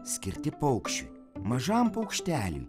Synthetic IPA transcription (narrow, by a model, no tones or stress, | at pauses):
sʲkʲɪɾʲt̪ʲɪpɔʊkʃʲt͡ʃʲʊ̰ | mɐʒɑˑmpɐʊkʃʲt̪ʲæːlʲṵj